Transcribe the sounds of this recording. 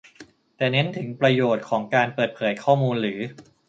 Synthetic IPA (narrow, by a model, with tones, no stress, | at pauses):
t̪ɛː˨˩ne˦˥nt̪ʰɯ˨˩˦ŋpɾa˧joː˨˩t̪̚kʰɔː˩˦ŋkaː˧npɤː˨˩t̪̚pʰɤː˩˦jkʰɔː˥˩muː˧nɾɯː˩˦